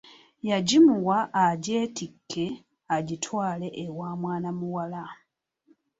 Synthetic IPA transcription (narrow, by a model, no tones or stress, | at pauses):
jaɟimuwaʔːɟeːtikːe̞ | aɟitʰwaːle̞ʔːwaːmwaːnamuwala